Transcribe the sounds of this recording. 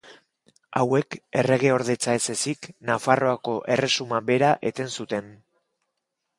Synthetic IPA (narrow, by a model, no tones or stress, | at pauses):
awe̞ke̞re̞ɣ̞e̞o̞ɾðe̞t͡saese̞siknafaro̞ako̞ʔe̞re̞sumaβe̞ɾaʔe̞t̪e̞nsut̪e̞n